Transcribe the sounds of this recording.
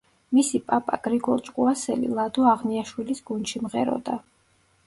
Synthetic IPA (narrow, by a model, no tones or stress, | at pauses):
misipʼapʼa̰ɡ̥ɾiɡɔɾt͡ʃʼqʼuasɛlḭlˠad̪uaʁniaʃwilisɡunʃimʁɛ̰ɾɔ̰d̪a